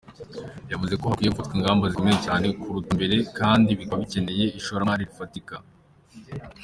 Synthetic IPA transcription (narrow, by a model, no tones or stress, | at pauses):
javuze̞ko̞hakwijekutkwiːŋɡaːmbazimŋecaːne̞kuɾutumbe̞ɾe̞kaːndiβikaβice̞ne̞je̞iʃoɾaaɾiɾifatika